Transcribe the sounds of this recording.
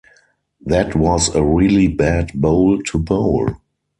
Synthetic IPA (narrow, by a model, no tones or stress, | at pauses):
ðɛtʰwɔzəɹilibædboʊltʰuboʊl